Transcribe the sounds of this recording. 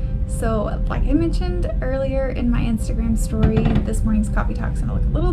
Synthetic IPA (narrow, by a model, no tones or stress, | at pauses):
soʊ | la̰ɪkaɪmɛ̃nʃɨ̃ndɜ˞lˠiə˞ʔɪ̰̃nmaɪʔɪ̃nstɨɡɹæ̃mstɔɹiðɪsmɔɹnɪ̃ŋz̥kʰɑ̰fitʰɑ̰ksə̃nla̰kəlɪɾl̩ˠ